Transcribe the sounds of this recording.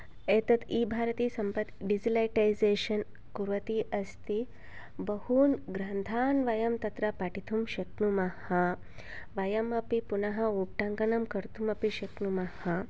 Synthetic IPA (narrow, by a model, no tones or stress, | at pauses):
eːt̪ɐt̪iːbʱaːɾɐt̪iːsɐmpɐt̪ɖid͡ʒilɐjʈajzeːʃɐn | kuɾʋɐt̪iːʔɐst̪i | bɐhuːnɡɾand̪ʱaːnʋɐjɐmt̪ɐt̪ɾɐpaʈit̪ʰumʃɐknumɐhɐ | ʋɐjɐmɐpipunɐɦɐup̚ʈaŋkɐnɐmkɐɾt̪ʰumɐpiʃɐknumɐhɐ